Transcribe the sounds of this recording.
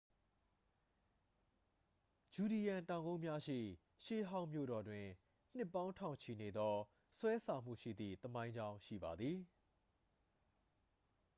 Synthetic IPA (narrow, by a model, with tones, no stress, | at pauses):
d͡ʑu˨ɾi˨jã˨ntã˨ʊ̃ŋɡõ˦mja˦ʃḭ˦˨ | ʃḛ˦˨ɦã˦ʊ̃mjo̰˦˨ɾɔ˨dwɪ̃˨ | n̥ɪ˦˨pːã˦ʊ̃ntʰã̰˦˨ʊ̃ɲt͡ɕʰi˨ne˨d̪ɔ˦ | swɛ˦sʰã˨m̥ṵ˦˨ʃḭ˦˨d̪ðḭ˦˨t̪əmã˦ɪ̃ɲd͡ʑã˦ʊ̃ʃḭ˦˨ba˨d̪ði˨